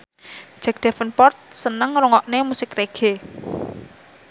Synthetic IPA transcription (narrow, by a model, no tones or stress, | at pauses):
ʒ̥a̤k̚d̥ɛ̤fənpɔrt̪̚sənəŋrɔŋɔʔnemusɪkreɡ̥e